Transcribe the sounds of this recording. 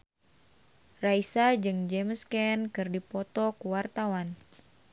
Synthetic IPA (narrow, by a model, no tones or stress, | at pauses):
raisad͡ʒɨŋd͡ʒɛmskɛnkɨrdipɔt̪ɔkuwart̪awan